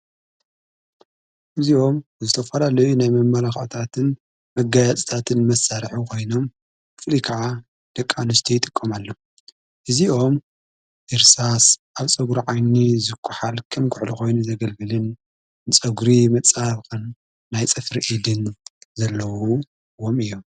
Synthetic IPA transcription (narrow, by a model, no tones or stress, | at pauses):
ʔɨziʔo̞mzɨt̪ʰɐfɐlalɐjunajmɐmːɐlaxt̪ʰat̪ʰɨn | mɐɡajat͡sʼi̥t̪ʰat̪ʰɨnmɐsːaɾħukʰo̞jno̞m | kɨflikʰaʕa | d̪̥ɐkʼːanɨst̪ʰijɪt̪ʼɨkʼːɐmalːo | ʔɨzio̞m | ʔɨɾsasʔaβt͡sʼɐɡuɾʕajnizɨkʰːuħalkʰɐmkʰʊʕluxo̞jnuzɐɡɐlɡɨlɨn | t͡sʼɐɡuɾimɐt͡sʼaβkɨnː | ajt͡sʼɨfɾiʔid̪ɨnzɐlːɐwu | wo̞mɨjːo̞m